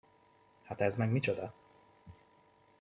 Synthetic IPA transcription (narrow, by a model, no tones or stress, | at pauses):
hat̪ɛzmɛɡmit͡ʃod̪ɒ